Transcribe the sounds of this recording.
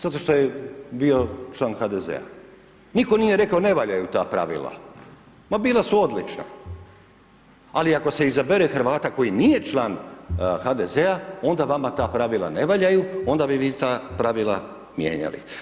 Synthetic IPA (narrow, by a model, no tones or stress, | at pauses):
z̥at̪o̞ʃt̪o̞jebio̞t͡ʃlˠaːnxad̪ezḛa̰ | niko̞nije̞ɾe̞kaone̞ʋaʎajut̪a̰ːpɾa̰ʋḭlˠa̰ | mabiːlˠasuo̞d̪lit͡ʃna̰ | aliako̞se̞izabeɾexɾ̩ʋaːt̪ako̞jinije̞t͡ʃlaːnxad̪ezeao̞nd̪aʋamat̪aːpɾaʋila̰ne̞ʋaʎajuo̞nd̪abiʋiːt̪aːpɾaʋilˠa̰ | mjḛːɲa̰lḭ